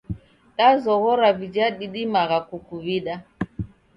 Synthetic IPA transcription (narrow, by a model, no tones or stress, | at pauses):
tazɔɣɔɾavid͡ʒaɗiɗimaɣakukuβiɗa